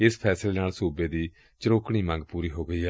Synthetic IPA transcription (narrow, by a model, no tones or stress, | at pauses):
ɪspʰɛːsleːnaːlsuːbeːd̪iː | t͡ʃəɾoːkɽ̃iːmə̃ŋɡpuːɾiːɦoːɡəiːɦɛː